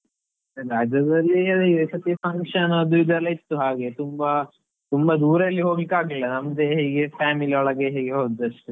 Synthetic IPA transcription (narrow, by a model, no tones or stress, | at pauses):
ɾaːd͡ʒɐd̪ɐɾiɐd̪esɐt̪ipɐŋʂɐnɐd̪uʋid̪ʱɐlɐit̪ːuɦaːɡet̪umbɐ | t̪umbɐd̪uːɾɐɐlːiɦoːɡlikaːɡiɭːɐnɐmɐd̪eɦeːɡepʰaːmiliɔɭɐɡeɦeːɡeɦoːd̪ɐʂʈu